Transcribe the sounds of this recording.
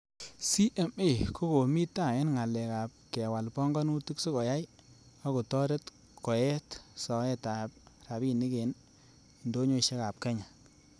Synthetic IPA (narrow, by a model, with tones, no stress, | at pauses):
si˦ʔe˨me˦˨ko˦ko˨mi˦ta˦˨ɛ˦nŋa˨lɛ˨ka˨p̚kɛ˨wa˨lpɔ˦ŋɡɔ˦nu˦tu˦kso˦kɔ˨ja˦j | ɔ˦ko˨tɔ˦ɾe˦t | kɔ˨jɛ˦tsɔ˨ɛ˦ta˨p̚ɾa˨bi˦ni˦ke˨n | i˨ndo˦ɲo˦˨ʃe˦ka˨p̚kɛ˦ɲa˨